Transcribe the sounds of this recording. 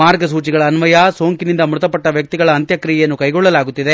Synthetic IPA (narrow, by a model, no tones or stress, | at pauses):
aːɾɡɐs̬uːt͡ʃiɡɐɭɐːnʋɐjaso̞ːŋkinind̪ɐmuɾut̪ɐpɐʈːɐʋjɐk̚t̪iɡɐɭɐːnt̪jɐkɾijɛjɐnːukɐjɡɔɭːɐlaːɡut̪ːid̪e